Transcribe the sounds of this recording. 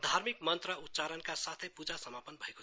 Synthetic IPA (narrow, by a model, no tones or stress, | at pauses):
d̪ʱaɾmik̚mənt̪ɾəut̪ːt͡ʃaɾənkasat̪ʰepud͡ʒasəmapənbʱəeko